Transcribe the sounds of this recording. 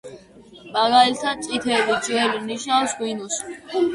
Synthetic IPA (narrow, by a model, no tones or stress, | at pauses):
maɡalt̪ʰad̪̚sʼit̪ʰɛːbid͡ʒɛliniʃnafsɡwinus